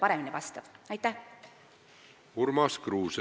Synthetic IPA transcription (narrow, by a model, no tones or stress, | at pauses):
pɑɾɛminivɑst̪ɑb̥ɑjt̪ːæh | uɾmɑskruːs